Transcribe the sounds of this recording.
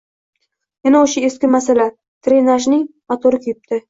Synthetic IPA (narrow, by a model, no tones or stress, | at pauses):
jenaoʃaeskʲɪmasala | t̪ʰɾenaʒnɪŋ | at̪ʰoɾɪkʲʰʊjɪp̚t̪ʰɪ